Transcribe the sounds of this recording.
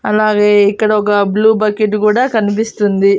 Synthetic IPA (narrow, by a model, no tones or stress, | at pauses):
ɐlaːɡeːikːɐɽɐɔk̬ɐbluːbɐkeʈːkuːɽɐkɐnip̬ist̪und̪i